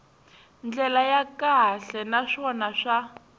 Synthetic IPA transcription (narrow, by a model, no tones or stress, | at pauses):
nd͡ɮɛlajakaɬɛnaʂɔnaʂa